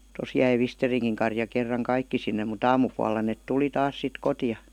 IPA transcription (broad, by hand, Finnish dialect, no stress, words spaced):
tos jæi ʋisteriŋkiŋ kɑrjɑ kerːɑŋ kɑikːi sinːe mut ɑːmupuɑlːɑ neˑt tuli tɑːs sit kotijɑ